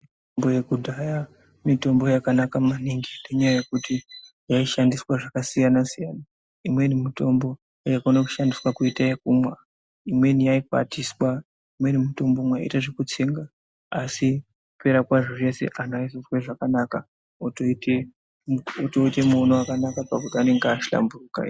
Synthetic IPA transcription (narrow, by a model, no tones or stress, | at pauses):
mitombojekudʱaja | mito̞mbo̞jakanakamaniŋɡine̞ɲajaje̞kuti | jaiʃandiswaʐakasijanasijaːna | imwe̞nimito̞mbo̞ | jakanaku̥ʃandiswakuitaekumwa | imwe̞nijaipa̰tiswa | imwe̞nimito̞mbomwa̰ḭtaʐe̞kut͡se̞ːŋɡa | asi | upe̞ɾakwaʐoʐe̞se̞̰ʔan̤aizosweʐakanaka | otoite | otoite̞muonowakanakapakutiane̞ŋɡeaʃila̰mburuka̰